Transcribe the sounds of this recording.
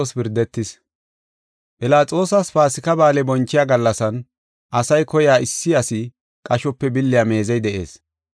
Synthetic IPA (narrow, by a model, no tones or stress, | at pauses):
ospɪɾd̪ɛt̪ːɪs | pʼɪlaːt͡sʼo̞ːsɐsfaːsɪkɐbaːlɛbɔnt͡ʃːɪjaːɡɐlːɐsɐn | ʔɐsɐjkɔjaːɪsːɪɐsɪ | kʼɐʃɔpːɛbɪlːɪjaːme̞ːzɛjd̪ɛʔḛːs